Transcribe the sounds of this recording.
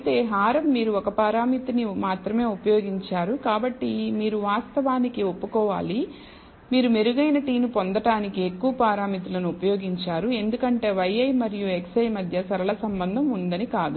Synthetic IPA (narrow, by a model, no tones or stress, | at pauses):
ɐt̪e̞ːɦaːɾɐmːiːɾuɔkɐpaːɾaːmit̪inimaːt̪ɾɐme̞ːupɐjo̞ːɡiɲt͡ʃaːɾukaːbɐʈːimiːɾuʋaːst̪ɐʋaːnikiopːukɔːʋa̰ːli | miːɾumeɾuɡɐjnɐʈiːnupond̪ɐʈaːnikie̞kːuʋɐpaːɾaːmit̪ulɐnuupɐjo̞ːɡiɲt͡ʃaːɾue̞nd̪ukɐɳʈe̞ːʋɐjɐjmɐɾijueksɐjmɐd̪ʱjɐsɐɾɐlɐsɐmbɐnd̪ʱɐmund̪ɐnikaːd̪u